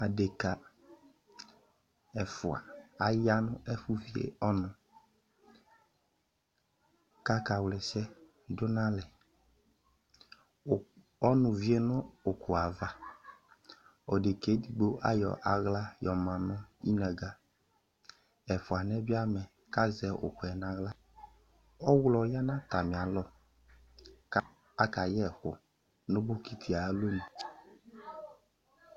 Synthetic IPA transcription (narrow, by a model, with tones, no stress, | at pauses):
a˨de˨ka˨ | ɛ˨fʊ˨a̰˨a˨ja˦nʊ̃˦ʔɛ˦fu˦vi˦ḛ˨ɔ˦nʊ̃˨ | ka˦ka˨wlɛ˨sɛ˦ | dʊ˦nã˦lɛ˨ | ɔ˦nʊ̃˨vi˦e˦nʊ̃˦o˨ku˨a˨va˦ | ɔ˨de˨ke˨˦di˨ɡ͡bo˦ʔa̰˦jɔ̰˨ʔa˨ɣla˦jɔ˨mã˨nʊ̃˦i˦na˨ɡa˨ | ɛ˨fʊ˨a˨nɛ˦bi˦a˦mɛ˨ | ka˦zɛ˨ʔʊ̰˨kɛ˨nã˦ɣla˦ | ɔ˦wlɔ˨ja˦nã˦ta˨mĩ˨a˨lɔ˦ | k | a˦ka˨jɛ˦˨xʊ˨ | nʊ̃˦bo˦ki˦t̪ʰi˨a˨˦lo˦ni˨